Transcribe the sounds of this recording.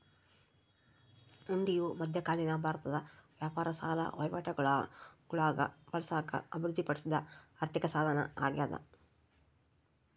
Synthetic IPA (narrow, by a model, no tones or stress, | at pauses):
uɳɖijumɐd̪ʱjɐkaːlinɐbʱaːɾt̪ɐd̪ɐʋjaːpaːɾɐsaːlɐ̰ʋɐjʋɐʈɐɡɐɭaɡuɭaːɡɐ̰ʋɐlɐsaːkɐ̰ɐbʱiɾud̪ʱːipɐɽisid̪ɐaɾt̪ikɐsaːd̪ʱɐnɐ̰a̰ːɡjaːd̪ɐ̰